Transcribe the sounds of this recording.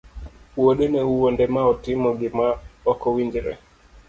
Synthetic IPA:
woɗenɛuwondɛmaɔtɪmɔɡɪmaɔkɔwiɲd͡ʒɾɛ̰

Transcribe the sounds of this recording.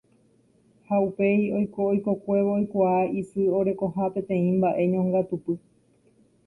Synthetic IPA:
haupe̞io̞jkoojko̞kʷe̞ʋoojkʷaaisɨo̞ɾe̞kõ̞ɦãpẽ̞t̪ẽ̞ĩmbaʔe̞ɲõŋɡat̪upɨ

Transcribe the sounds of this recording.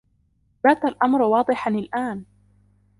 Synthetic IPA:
baːt̪alʔamɾwɑːd̪ˤɨħanɪlʔaːn

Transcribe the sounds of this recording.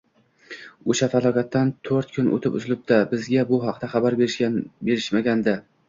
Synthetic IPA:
oʃafalˠɒkʲʰat̪ʰːant̪ʰoɾt̪̚kʰʊno̰t̪ʰɪpʊ̰zlɪp̚d̪abɪzɡʲabʊɦɑqd̪aχɑbaɾbʲbe̞ɾɪʃmaɡʲand̪a

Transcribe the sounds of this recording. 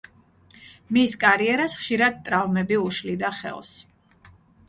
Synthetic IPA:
miskʼaɾiɛɾasχʃiɾad̪̚t̪ʼɾavmɛbiuʃlid̪aχɛ̰lˠs

